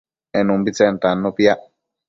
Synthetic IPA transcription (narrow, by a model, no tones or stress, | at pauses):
ɛnumbit͡sɛntanːɔpia